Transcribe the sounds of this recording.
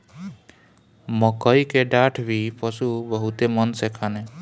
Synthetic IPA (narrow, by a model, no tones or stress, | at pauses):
mɔkɔjkeɖaʈʰbʱipɔsubɔɦut̪emɔnsekʰane